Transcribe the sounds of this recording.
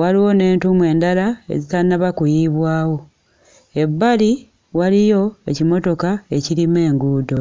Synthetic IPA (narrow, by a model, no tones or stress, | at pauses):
waliwo̞ne̞ːntumwe̞ːndalaḛzitanːaβakujiβwaːwo̞ | e̞βːali | walijo̞ecimo̞to̞kae̞cilime̞ːŋɡuːdo̞